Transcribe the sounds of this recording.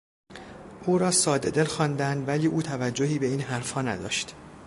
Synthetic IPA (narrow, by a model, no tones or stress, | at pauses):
ʔuːɾɒːsɒːd̪e̞d̪e̞lxɒːnd̪ænd̪væliːʔuːt̪ʰævæd͡ʒːoɦiːbe̞iːnɦæɾfhɒːnæd̪ɒ̰ːʃt̪